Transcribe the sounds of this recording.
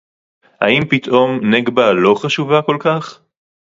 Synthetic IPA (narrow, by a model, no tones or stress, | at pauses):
ha̰impit̪ʔo̞mneɡbalo̞χaʃuvako̞lkaχ